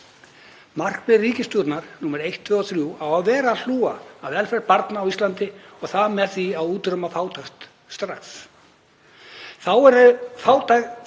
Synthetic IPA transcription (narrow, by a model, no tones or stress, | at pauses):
mar̥kpɪriːcɪst̪ut̪naɾ̥nuːmɛɾejht̪ʰvʏɔθɾjuːawaðvɛːɾaːl̥uːaːðvɛlfɛɾpaɾt̪naːwist̪lant̪ɪɔɣθaðmɛðθiaðuːt̪ɾœmafaːwt̪ʰaxt̪ | st̪ɾaks | θawɛɾʏfaːwt̪aɣ